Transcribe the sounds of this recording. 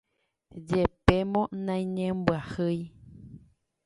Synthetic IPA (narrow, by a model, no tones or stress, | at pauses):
d͡ʒepemõnãj̃ɲẽmbwahɨj